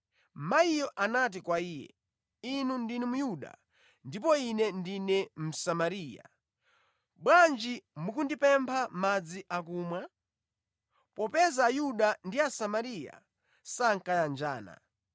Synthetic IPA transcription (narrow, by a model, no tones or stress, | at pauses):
maijɔʔanat̬ikwaiːjɛ̰ | inundinimujuɗa̰ | ndipɔinɛndinɛm̩samaɾiːja̰ | ɓwand͡ʒimukundipɛmpʰamad͡ziʔak̬uːmwa | pɔpɛzaːjuɗandiasamaɾija̰ | saŋkajand͡ʒaːna̰